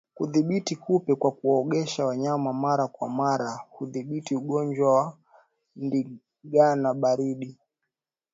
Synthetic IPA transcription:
kuðiɓitikupɛkwakuwaɔɠɛʃawaɲamamaɾakwa̰maɾahuðiɓitiuɠɔnd͡ʒwawa | ndi | ɡanaɓaɾiɗi

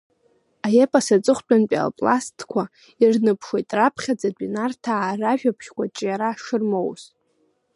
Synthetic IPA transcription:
ajepʼasat͡sʼɨχʷt͡pʷʼanpʼa̰lpʼla̰stʰkʷʰa | irnɨpʰʂe̞jtʼrapʰχʲad͡zadʷʼinartʰaːraʒᶣapʰʃkʷʰʼat͡ʃʼjaɾaʂɨrmowz

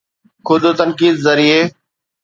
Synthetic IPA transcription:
kʰʊd̪t̪ənkiːd̪zəɾiːeː

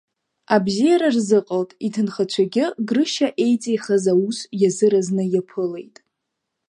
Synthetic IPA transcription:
abzijaɾarzɨqʼəltʼitʰɨnχat͡ɕʷʰaɡʲɪɡrɨʃaʔe̞jt͡sʼejχazausjazɨɾaznɨjapʰɨle̞jtʼ

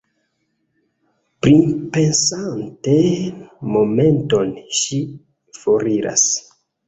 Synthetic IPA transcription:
pɾipe̞nsantemo̞me̞nto̞nʃi | foɾiɾa̰s

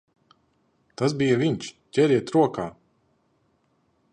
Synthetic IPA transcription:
t̪asbijaviɲʲt͡ʃcʲɛɾiɛt̪ɾuɔkaː

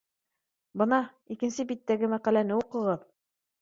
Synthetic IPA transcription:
bɤnɑ | ikɘ̆nsɘbit̪ːæɡɘmæqælænɘuqɤ̆ʁɤð

